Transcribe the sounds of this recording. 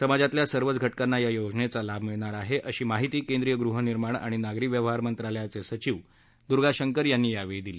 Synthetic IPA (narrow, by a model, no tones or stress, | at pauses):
səmad͡zat̪ljasəɾʋət͡sɡʱəʈkanːajajod͡znet͡salabʱmiɭɳ̃aɾaɦeʔəɕiːmaɦit̪iːkend̪ɾijəɡɾuɦəniɾmaɳ̃a̰ɽ̃inaɡɾikʋjəʋɦaɾmənt̪ɾaljat͡sesət͡ɕiːʋ | d̪uɾɡaɕəŋkəɾjanːiːjaʋed̪ile